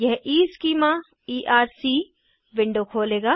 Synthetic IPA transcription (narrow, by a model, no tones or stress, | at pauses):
jɛɦʔiːskiːmaː | iːʔaːɾsiː | ʋɪ̃ɳɖokʰoːleːɡaː